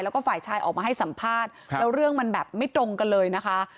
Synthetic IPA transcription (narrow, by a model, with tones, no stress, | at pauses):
jlɛː˦˥wkɔː˥˩faː˨˩jt͡ɕʰaː˧jʔɔ̰ː˨˩k̚maː˧ɦa˥˩jsa˩˦mpʰaː˥˩t̪̚lɛː˦˥wɾɯ˥˩əŋma˧nbɛː˨˩p̚ma˥˩jt̪ɾo˧ŋka˧nlɤː˧jna˦˥kʰa˦˥